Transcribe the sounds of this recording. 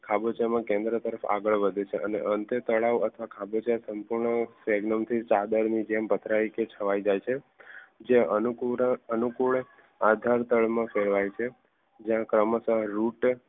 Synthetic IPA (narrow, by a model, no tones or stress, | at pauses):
kʰabət͡ʃjamãkẽnd̪ɾət̪əɾəfa̰ɡəɭʋəd̪ʱet͡ʃʰeʔənḛʔənt̪et̪əɭaʋət̪ʰʋakʰabət͡ʃasəmpuɾɳəseɡnəmt̪ʰit͡ʃad̪əɾnid͡ʒembʱət̪ɾaiket͡ʃʰəʋajd͡ʒajt͡ʃʰe | d͡ʒeənukuɾənukuɭ | ad̪ʱaɾt̪əɭmãfeɾʋajt͡ʃʰe | d͡ʒjãkɾəməsəɦɾuʈ